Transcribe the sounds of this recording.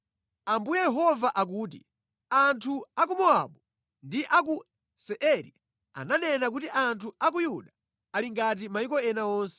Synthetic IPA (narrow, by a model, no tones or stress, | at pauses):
ambujɛjɛɦɔvaʔak̬uːt̬ḭ | antʰuak̬umɔa̰ɓu | ndiʔak̬u | sɛʔɛɾḭ | a̰nanɛnak̬utiʔantʰuak̬ujuɗa | aliŋɡat̬imajik̬ɔɛnaɔːnsɛ̥